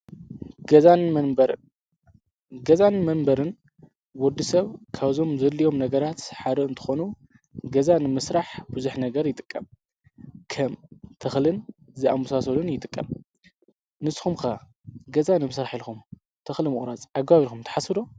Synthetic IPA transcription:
ɡɐzan | ɡɐzanmɐnbɐɾɨn | wɔd̪ːisɐβkʰaβzo̞mzɐlːijo̞mnɐɡɐɾat̪ħaɾɨɨnt̪ʰɨ̥xo̞nu | ɡɐzanɨmɨsɾaħbuzuħnɐɡɐɾjɪt̪ʼɨ̥kʼːɐm | kʰɐmt̪ʰɐxlɨn | zɨamusasɐlunjɪt̪ʼɨkʼːɐ̰m | nɨsxumka | ɡɐzanɨmɨsɾaħilxum | t̪ʰɐxlɨmɨχʼɾazʼaɡɐβaβilxumt̪ʰɐ̥ħasɨd̪o̞

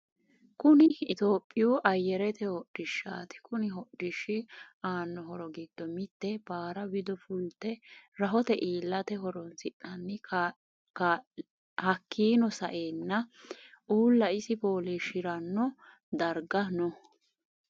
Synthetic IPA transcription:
kʊnɪːt̪oːpʼːɪjuːʔɐjːɛɾɛt̪ɛhɔɗːɪʃːa̰ːt̪ɪ̥kʊnɪɦɔɗːɪʃːɪaːnːɔɦɔɾɔɡiːd̪̥ːɔmɪt̪ːɛbaːɾɐbɪd̪ɔfʊlt̪ːɛɾɐɦɔt̪ɛʔiːlːɐt̪ɛɦɔɾɔnsɪʔɐnːɪ | kː | hɐkʰːiːnɔsɐʔeːnːɐʔuːlːɐɪsɪpo̞ːleːʃɪɾɐnːɔ | d̪ɐɾɡɐnɔ

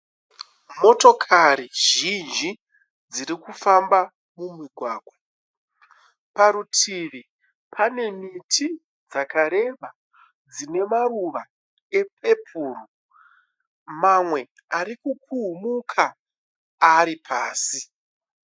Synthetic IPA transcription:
mo̞to̞kʰaɾiʒind͡ʒi | d͡ziɾikufamba | mumiɡʱwaːɡʱwa | paɾutʰiʋi | pʰane̞mitʰi | d͡zakaɾe̞ɓa | d͡zine̞maruʋa | e̞pʰe̞pʰuːru | mamwe̞ | aɾikukʰuumukʰaː | ɾipʰaːsi

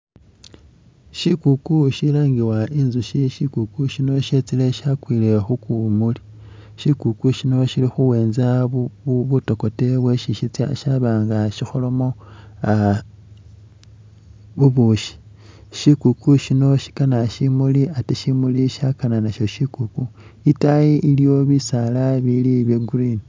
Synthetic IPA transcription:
ʃikukuʃilaːŋɡiwainzuʃiʃikukuʃino̞ʃe̞t͡sile̞ʃakwiːle̞xukumuli | ʃikukuʃino̞ʃilixuwe̞ːnzauuβuto̞ko̞teβwe̞ʃiʃit͡sja̰ʃaβaːŋɡaʃixo̞lo̞mo̞a | βuβuʃi̥ | ʃikukuʃino̞ʃi̥kanaʃimuliateʃimuliʃakananaʃo̞ʃikukuitajiʔilijo̞βisalaβiliβjeɡurini

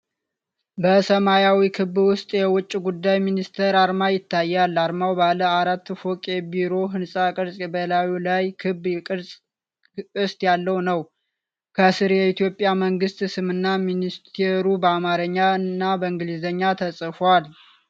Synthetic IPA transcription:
bəsəmajawikʰɨβːwʊst̪ʼjɛwʊt͡ʃʼːiɡud̪ːajminist̪ʰəɾaɾmajɪt̪ʰːajːalːaɾmawbaləaɾat̪ːfokʼe̞biɾo̞ɦɨnsʼakʼɨɾsʼbəlawilajkʰɨbkʼɨɾsʼ | ɨst̪ʼjalːəwnəw | kʰəsɨɾjɛit̪ʰjo̞pʼːjaməŋɡɨst̪ʼsɨmɨnːaminist̪ʰeɾubəamaɾəɲːaɨnːabəɨŋɡɨlizəɲːat̪ʰəsʼɨfwal

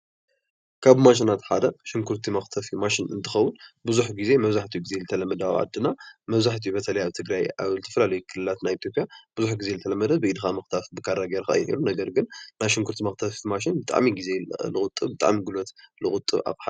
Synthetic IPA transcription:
kʰaβmaʃinat̪ħad̪ɐʃɪŋkʰuɾt̪ʰimaxt̪ʰɐfimaʃɪnɨ̰nt̪ʰɨxɐwːʊnbɨzuħɡize̞mɐβzaħt̪ʰijuɡize̞zɨt̪ʰɐlɐmɐd̪awʕa̰d̪ːɨnamɐβzaħt̪ʰijubɐt̪ʰɐlɐjaβt̪ʰɨɡɾaja̰βzɨt̪ʰɐfɐlalɐjukʰɨlɨlat̪najit̪ʰjo̞pʼjab̥ɨzuħɡize̞zɨt̪ʰɐlɐmːɐd̪ɐbɨʔid̪ɨxamɐxt̪ʰafbɨkʰaɾaɡeɾka̰j̰ʔḭlunɐɡɐɾɡɨnnajʃɪŋkʰuɾt̪ʰimaxt̪ʰɐfimaʃ̬ɪnbɨt̪ʼa̰ʕmiɡize̞lɨkʼʊt̪ʼːɨβbɨt̪ʼa̰ʕmiɡɨlot̪lɨxʼʊt̪ʼːɨ̰βa̰βħa

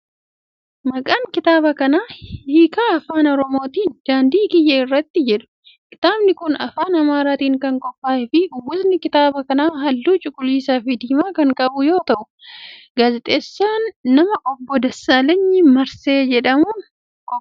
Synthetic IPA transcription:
mɐkʼaːŋkɪt̪aːbɐkɐnaːhiːkaɐfaːnɔɾɔmo̞ːt̪iːnd̪̥aːnd̪iːɡɪjːɐɪrːɐt̪ːɪd͡ʒɛᶑʊ̥ | kɪ̥t̪aːbnɪkʊnɐfaːnɐmaːɾaːt̪iːŋkɐŋkʼɔfːaːʔɪfɪwʊznɪkɪt̪aːbɐkɐnaːɦɐlːuːt͡ʃʼʊkʼːʊliːsaːfɪd̪iːmaːkɐŋkʼɐbʊjo̞ːt̪ɐʔʊ | ɡaːzɛt̪ʼeːsːaːnːɐmɐʔɔbːɔd̪ɐsaːlɐɲːɪmɐɾse̞ːd͡ʒɛᶑɐmuːn | k

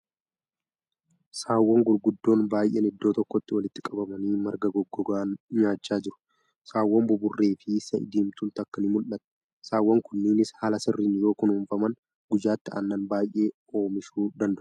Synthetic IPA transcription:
saːwːɐŋɡʊɾɡʊd̪ːo̞ːnbaːjʔeːnɪd̪ːoːt̪ɔkːɔt̪ːɪwɐlɪt̪ːɪkʼɐbɐmɐniːmɐɾɡɐɡɔɡːɔɡaːnɲaːt͡ʃːaːd͡ʒɪɾʊ̥ | saːwːɐmbʊbʊrːe̞ːfɪsɐɪ̰d̪iːmt̪ʊnt̪ɐkːɐnɪmʊlʔɐt̪ɛ̥ | saːwːɐŋkʊnːɪnɪshaːlɐsɪrːiːnjo̞ːkʊnuːɱfɐmɐn | ɡ̥ʊd͡ʒaːt̪ːɪa̰nːɐnbaːjʔe̞ː | o̞ːmɪʃuːd̪ɐnd̪ɐʔ

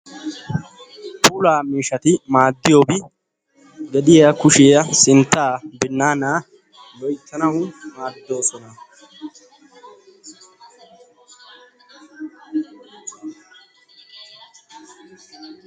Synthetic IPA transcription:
puːlaːmiːʃɐt̪ɪmaːd̪ːɪjo̞ːbɪ | ɡɛd̪ɪjɐkʊʃɪjɐsɪnt̪ːaːbɪnːaːnaː | lɔjt̪ːɐnɐwmaːd̪o̞ːsɔnɐ

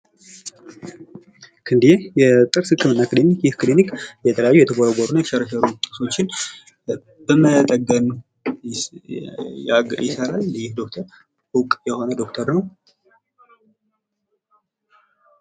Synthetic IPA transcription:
kʰɨnd̪ijejɛt̪ʼɨɾsɨkʰːɨmɨnːakɨlemikjɪhkɨlemikjɛt̪ʰələjajːujɛt̪ʰəɡoɾoɡoɾunːajɛt̪ə̥ʃɛɾəʃəɾut̪ʼɨso̞t͡ʃːɪn | b̥əmət̪ʼəɡən | jɪsəɾalːɨjɪhd̪o̞k̚t̪ʰəɾ | hukʼjɛho̞nəd̪o̞kt̪ʰəɾnəw

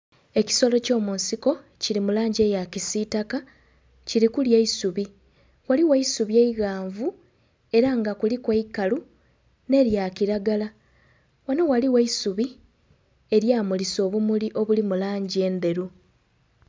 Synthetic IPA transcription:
e̞ci̥so̞lo̞co̞ːmuːnsiko̞ | ciɾimulaːɲɟe̞ːjacisitaka | ciɾikuljeisuβi | waliweisuβje̞iɣaːɱvu | e̞ɾaŋɡakulikweikalu | ne̞ɾjakiɾaɡala | wanowaliweisuβi | e̞ɾjaːmuliso̞ːβumuliʔo̞βulimulaːɲɟie̞ːnd̪e̞ɾu

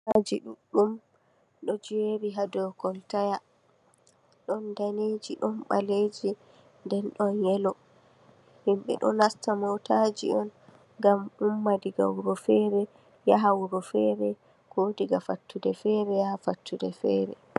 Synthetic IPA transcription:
ad͡ʒiɗuɗːum | ɗɔd͡ʒeɾiɦadɔkɔltaja | ɗɔndaned͡ʒiɗɔnɓa̰led͡ʒi | ndɛnɗɔnjɛlɔ | himɓɛ̰ɗɔ̰nastamɔtad͡ʒḭʔɔn | ɡamumːadiɡa̰wuɾɔfɛɾɛ | jaɦawuɾɔfɛɾɛ | ɡ̥odiɡafatʰːudɛfɛɾɛjahafatʰːudɛfɛɾɛ̰

